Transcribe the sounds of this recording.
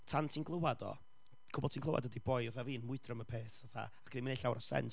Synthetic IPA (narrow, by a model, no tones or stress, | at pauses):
tʰantʰinɡlˠowadɔ̰ | kʰʊbɔdtʰinɡlˠowʔa̰dədibɔjʊθaviːənmʊɨdrəməpʰeːθaθa̰aɡ̥əðiminejɬawɾɔsɛ̰ns